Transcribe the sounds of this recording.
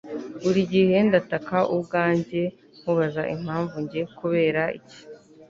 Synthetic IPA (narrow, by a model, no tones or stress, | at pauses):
βuɾiɟihe̞ndatakaʔubɡaːɲɟe̞ | m̥huβazaʔim̥haːɱvuɲɟe̞kuβe̞ːɾaḭci̥